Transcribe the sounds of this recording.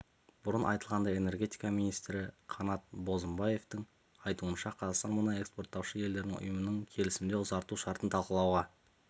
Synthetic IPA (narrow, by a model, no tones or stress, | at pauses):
b̥ʊɾənʔɑ̰jt̪əlˠʁɑnd̪ɑe̞ne̞ɾɡʲe̞t̪ijkɑmijnijst̪ɾɪqʰɑnɑt̪̚bo̞zəmbɑje̞ft̪ɪŋ | ɑjt̪uənʃɑqʰɑzɑqst̪ɑnmʊnɑe̞kspo̞rt̪ːɑwʃəje̞ld̪e̞ɾd̪ɪŋʊ̰jəmənəɴkʲʰe̞lɪsɪmd̪e̞ʊzɑɾt̪uʃɑɾt̪ənt̪ʰɑlˠqəlˠɑwʁɑ